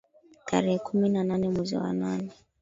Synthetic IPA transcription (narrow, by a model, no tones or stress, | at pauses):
tʰa̰ɾɛhɛkuminananɛmwɛzḭwa̰nanɛ